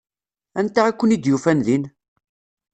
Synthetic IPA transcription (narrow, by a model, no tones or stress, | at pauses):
ænt̪ːaækʷːənid̪jufænlin